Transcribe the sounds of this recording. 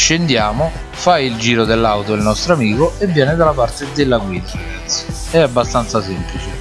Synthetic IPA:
ʃːend̪jaːmo | fajild͡ʒiːɾod̪elːawt̪oilnɔst̪ɾoamiːkoevːjɛːnɪd̪alːapart̪ed̪elːaɡwiːd̪aɾaɡat̪sːji̥ | ɛabːast̪ant̪sasemplit͡ʃe

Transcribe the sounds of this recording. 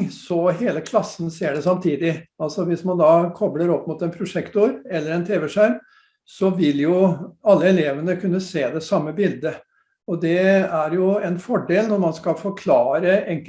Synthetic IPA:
sɔɦeːləkʰlɑsən̩seːɖɛsɑmt̪ʰiːd̪ɪɑlsɔʋɪsmɑnd̪ɑːkʰɔbləɾɔpːmʊt̪ɛnpʰɾʊʂɛkt̪uɾɛlːəɾɛnt̪ʰeːʋɛʂæm | sɔʋɪljʊɑlːəɛleːʋənəkʰʉnːəseːd̪ɛsɑmːəbɪld̪ə | ɔd̪ɛæɾjʊɛnfɔɖeːlnɔɾmɑnskɑlfɔɾkʰlɑːɾəɛŋk

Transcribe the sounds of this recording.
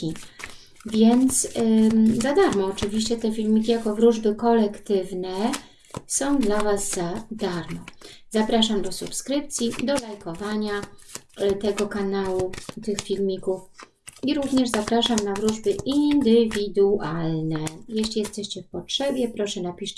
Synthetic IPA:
i | vʲjɛnt̪s | zad̪aɾmɔːt͡ʂɘvʲiɕt͡ɕɛt̪ɛfʲilmʲikʲijakɔvɾuʐbɘkɔlɛkt̪ɘvnɛ | sɔ̃w̃d̪lavaszad̪aɾmɔzapɾaʂamd̪ɔsupskɾɘp̚t̪sʲjid̪ɔlajkɔvaɲa | t̪ɛɡɔkanawut̪ɘxfʲilmʲikuf | iɾuvɲɛʐzapɾaʂamnavɾuʐbɘʔind̪ɘvʲid̪ualnɛjɛɕlʲijɛst̪ɛɕt͡ɕɛfpɔtʂɛbʲjɛpɾɔʂɛnapʲiʂt͡ɕ

